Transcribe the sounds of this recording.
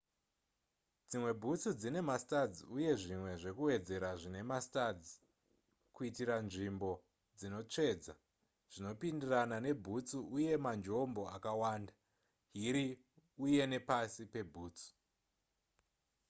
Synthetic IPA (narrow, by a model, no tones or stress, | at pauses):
d͡zimwe̞bʱut͡sud͡zine̞mastad͡ziuje̞ʐimwe̞ʐe̞kuwe̞d͡ze̞ɾaʐine̞mastad͡zi | kuitiranʐimbo̞ | d͡zino̞t͡ʂe̞ːd͡za | ʐ̥ino̞pindiranane̞bʱut͡suuje̞mand͡ʒo̞mbo̞akawaːnda | ɦiɾi | uje̞ne̞pasipe̞bʱuːt͡su̥